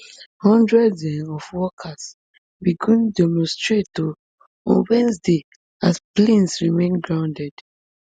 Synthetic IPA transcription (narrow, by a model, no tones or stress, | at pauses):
hɔ̃ndɹɛdɛ̃nɔfwɔkʰas | biɡũndɛmɔ̃nstɹeto | ɔ̰̃nwɛ̃nsde | asplẽnsɹimẽnɡɹãʊ̃ndɛd̥